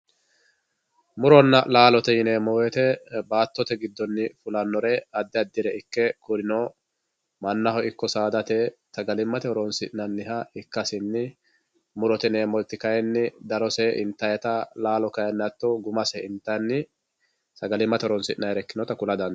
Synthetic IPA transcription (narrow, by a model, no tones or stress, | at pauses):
mʊɾɔnːɐlaːlɔt̪ɛjɪneːmɔwɛt̪ɛbaːt̪ːɔt̪ɛɡɪd̪ːɔnːɪfʊlɐnːɔɾɛɐd̪ːɪɐd̪ːɪɾɛɪkːɛkʊɾɪnɔ | mɐnːɐɦɔɪkːɔsaːd̪ɐt̪ɛsɐɡɐlɪmːɐt̪ɛhɔɾɔnsɪʔnɐnːɪɦɐɪkːɐsɪnːɪ | mʊɾɔt̪ɛneːmɔt̪ːɪkɐjɛnːɪd̪ɐɾɔsɛʔɪ̰nt̪ːɐjɛt̪ɐlaːlɔkɐjɐnːɐt̪ːɔɡʊmɐsɛɪnt̪ːɐnːɪ | sɐɡɐlɪmːɐt̪ɛɔɾɔnsɪʔnɐjɾɛkːɪnɔt̪ɐkʊlɐd̪ɐn